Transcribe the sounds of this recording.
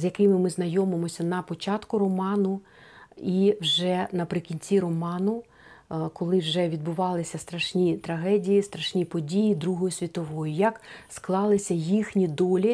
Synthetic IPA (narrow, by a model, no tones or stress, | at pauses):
zʲjɐkɪmɪmɪznɐjɔmɪmɔsʲɐnɐpɔt͡ʃɑt̪kʊɾɔmɑnʊ | iwʒɛnɐpɾɪkʲinʲt͡sʲiɾɔmɑnʊ | kɔlˠɪwʒɛʋʲid̪̚bʊʋɑlˠɪsʲɐst̪ɾɐʃnʲit̪ɾɐɦɛdʲijist̪ɾɐʃnʲipɔdʲijid̪ɾuɦɔjʊsʲʋʲit̪ɔʋɔjʊjɐksklˠɑlˠɪsʲɐjixnʲid̪ɔlʲi